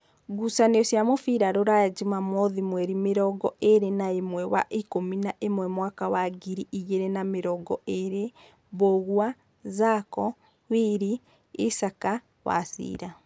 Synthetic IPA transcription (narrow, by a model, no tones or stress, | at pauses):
ɡusaneɔsjamofiɾaɾoɾajad͡ʒimamɔðimwɛɾimeɾɔɡɔʔeɾenaemwɛwa̰ʔikominaʔemwɛmwakawaɡiɾiʔiɣeɾɛnameɾɔɡɔeɾe | βoɣwa | zakɔ | wiɾi | isaka | wa̰sḭːɾa